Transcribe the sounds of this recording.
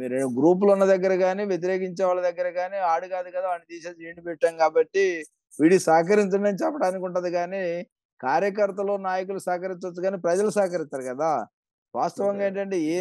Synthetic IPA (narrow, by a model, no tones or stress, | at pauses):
miːɾenuɡɾuːp̬ulunːɐd̪ɐɡːɐɾɐɡaːniːʋjet̪̬iɾe̞ːk̬iɲt͡ʃɛːʋaːlɐd̪ɐɡːɐɾɐɡaːniːaːɽukaːd̪ukɐd̪aːɐnid̪iːʃeaːd͡ʒiːɳipɛʈːaːnkaːbɐʈːi | ʋiːɽisaːkɐɾiɲt͡ʃɐɳɖɐnit͡ʃɛpːɐʈaːnik̬uɳʈɐnd̪iɡaːniː | kaːɾjɐk̬ɐɾt̪ɐloːnaːjɐk̬ulusaːkɐɾist̪ɐt͡ʃːuɡaːniːpɾɐd͡ʒɐlusaːkɐɾist̪aːɾukɐd̪aː | ʋa̰ːst̪ɐʋɐŋɡaːeːɳʈɐɳʈe̞ːeː